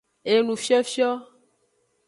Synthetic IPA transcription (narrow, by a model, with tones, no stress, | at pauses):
e˨nũ˨fi˦ɔ˦fi˦ɔ˦